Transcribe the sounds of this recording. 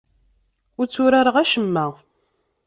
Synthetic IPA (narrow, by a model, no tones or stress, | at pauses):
ʊɾt͡sːʊɾaɾəʁæʃəmːæ